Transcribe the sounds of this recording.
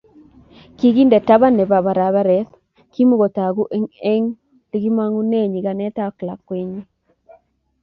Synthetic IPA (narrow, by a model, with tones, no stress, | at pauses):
ki˦ɡi˦ndɛ˨ta˦βa˦ne˨ba˨βa˨ɾa˨βa˦ɾɛ˨˦t | ki˦mu˦ɣo˨ta˨ɡu˦ʔe˦ŋe˦ŋ | d̥i˦ɡi˦ma˦ŋu˦ne˦˨ɲi˨ɡa˨nɛ˦ta˦kla˨kːwe˦ɲi˦